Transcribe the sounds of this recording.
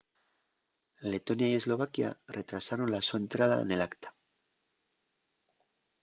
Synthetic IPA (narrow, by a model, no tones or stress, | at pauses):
le̞t̪o̞njaie̞zlo̞β̞akja̰re̞t̪ɾasaɾo̞nlasue̞nt̪ɾað̞a̰ḛne̞lakt̪ḁ